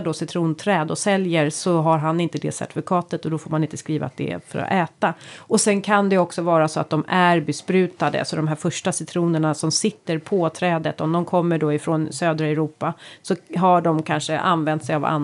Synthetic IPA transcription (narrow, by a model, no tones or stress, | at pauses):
dɔsɪt̪ʰɾuːnt̪ʰɾɛːd̪ɔsɛljəɾsɔɦaɾɦanɪnt̪əd̪ɛ̰sæ̰ʈ̪ɪ̥fɪkʰɑːt̪ət̪ɔd̪ɔfoːmanɪnt̪ə̥skɾiːva̰t̪̚d̪ɛ̰fœ̰ɾɔ̰ʔɛːt̪aɔsɛnkʰand̪ɛɔksɔvɑːɾasɔat̪̚d̪ɔmæɾbɛspɾʉ̟ːt̪ad̪ə̰sɔd̪ɔmɦæːɾfœʂʈasɪt̪ʰɾuːnəɳasɔmsɪt̪ːəɾpʰɔt̪ʰɾɛːd̪ət̪ɔmd̪ɔmkʰɔmːəɖɔɪfɾoːnsøːd̪ɾaɛɾuːpːasɔɦaɖɔmkʰanʂəʔa̰nvɛnt̪sɛjava̰n